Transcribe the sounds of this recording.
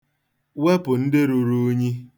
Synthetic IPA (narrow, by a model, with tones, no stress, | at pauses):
we˦pʊ˨n̩˦dɪ˦ɾu˨ɾu˦ɲi˦